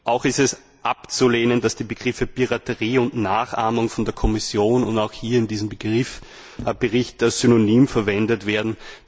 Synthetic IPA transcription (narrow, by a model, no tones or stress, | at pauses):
ʔaʊxɪstɛs | ʔapt͡suleːnəndasd̥iːbəɡ̥ʁɪfəpiʁatəʁiːʊntnaːχʔaːmʊŋfɔndeːɐkʰɔmɪsjoːnʊntaʊxhiːɐɪndiːzəmbəɡ̥ʁɪf | b̥əʁɪçtəsz̥ynonyːmfɛɐvɛndətv̥eːɐdn̩